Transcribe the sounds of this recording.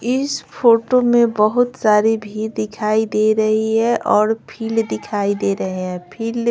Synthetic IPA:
ɪspʰoːʈomẽbəɦʊt̪saːɾibʱiːɾd̪ɪkʰaːid̪eɾɐɦiɦɛʔɔːɾpʰiːld̪ɪkʰaːid̪eɾɐɦeɦɛ̃pʰiːl

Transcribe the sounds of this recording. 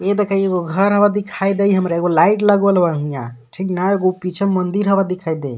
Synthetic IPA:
et̪əkaieɡoɡʱəɾɦəbad̪ikʰajd̪ejɦəmɾaeɡolaiʈləɡəlbaɦũja̰ʈʰiknaeɡopit͡ʃʰəmənd̪iɾɦəbad̪ikʰajd̪ej

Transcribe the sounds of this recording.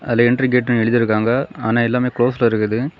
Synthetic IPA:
ɐlːɐɪɳɖriɡeːʈːʊ̃ɛɻɯðɪɾɯkːaːŋɡɐa̰ːnaːɛlːaːmeːkɭoːslaːɪɾɯkːɐðɯ

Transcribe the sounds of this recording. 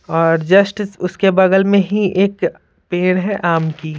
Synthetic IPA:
ɔːɾd͡ʒɐsʈɪsʊskebɐɡəlmẽɦiʔeːk | peːɽ̃ɦɛʔaːmki

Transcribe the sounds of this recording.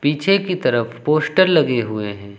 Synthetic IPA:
piːt͡ʃʰekit̪ɐɾəfpoːsʈəɾlɐɡeɦʊḛɦɛ̃ː

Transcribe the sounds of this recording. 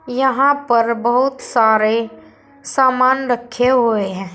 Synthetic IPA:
jɐɦãpəɾbəɦʊt̪saːɾe | saːmaːnɾəkʰːeɦoeɦɛ̃ː

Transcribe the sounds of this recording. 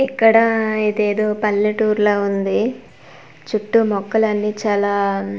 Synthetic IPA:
ikːɐɽɐid̪e̞ːd̪oːpɐlːiʈuːɾloːund̪i | t͡ʃuʈːumɔkːɐlɐnːit͡ʃaːlaː

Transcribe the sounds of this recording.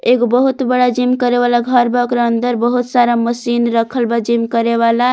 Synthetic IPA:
eɡobəɦut̪bəɽad͡ʒimkəɾeβalaɡʱəɾbəkɾənd̪əɾbəɦut̪saɾaməsinɾəkʰəlbad͡ʒimkəɾeβala

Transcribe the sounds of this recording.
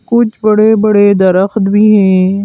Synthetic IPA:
kʊt͡ʃʰbɐɽebɐɽed̪ɐɾəxt̪bʱiːɦɛ̃ː

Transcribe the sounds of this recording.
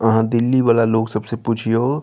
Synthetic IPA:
əɦãd̪ɪlːibaːlaloːɡsɐbsepuːt͡ʃʰijoː

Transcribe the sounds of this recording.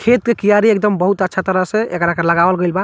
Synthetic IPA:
kʰet̪̚kekijaɾiek̚d̪əmbəɦut̪ətːʃʰat̪əɾəɦsẽekɾakələɡabəlɡəjlba

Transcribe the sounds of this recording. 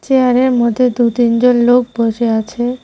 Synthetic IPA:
t͡ɕeaɾeɾmɔd̪ʱːed̪ut̪ind͡ʑonlok̚boʃeat͡ɕʰe

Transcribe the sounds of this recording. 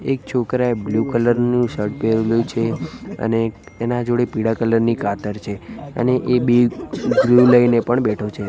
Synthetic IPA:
ekt͡ʃʰokɾaeblukələɾnũʃəɾʈpeɾlũt͡ʃʰeə̰neː | nãd͡ʒoɽepiɽakələɾnikʰat̪əɾt͡ʃʰeə̰neʔebeɡluləinepəɳbɛʈʰot͡ʃʰe

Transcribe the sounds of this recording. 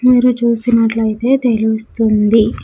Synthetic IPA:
miːɾut͡ʃuːsinɐʈlɐjit̪e̞ːt̪e̞lust̪und̪i

